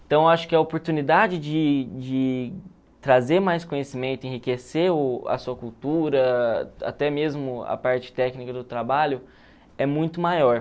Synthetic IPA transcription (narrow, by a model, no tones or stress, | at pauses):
ẽt̪ɐ̃w̃aʃʊ̥kɪɐopoɾt̪unid̪ad͡ʒɪd͡ʒɪd͡ʒɪ | t̪ɾazeɾmajskõɲesimẽnt̪ʊɪẽhikeseʊɐ̰suɐkuwt̪uɾɐa̰t̪ɛmezmʊɐ̰paɾt͡ʃɪ̥t̪ɛknikɐd̪ʊt̪ɾabaʎʊ | ɛmũj̃t̪ʊmajɔɾ